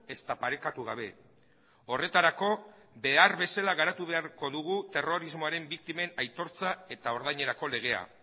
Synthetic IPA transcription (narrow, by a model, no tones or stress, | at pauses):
e̞st̪apaɾe̞kat̪uɣ̞aβ̞e̞ | o̞re̞t̪aɾako̞be̞aɾβe̞salaɣaɾat̪uβe̞aɾko̞ðuɣ̞ut̪e̞ro̞ɾizmo̞aɾe̞mbik̚t̪ime̞najt̪o̞ɾt͡sae̞t̪ao̞ɾðajɲe̞ɾako̞le̞ɣ̞e̞a̰